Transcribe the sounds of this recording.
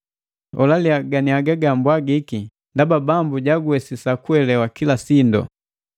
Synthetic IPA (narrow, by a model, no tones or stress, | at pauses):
ɔlaliaɡaniaɡaɡambwaɡiki | ndababambuɟaɡuɛsisakuɛlɛwakilasindɔ̰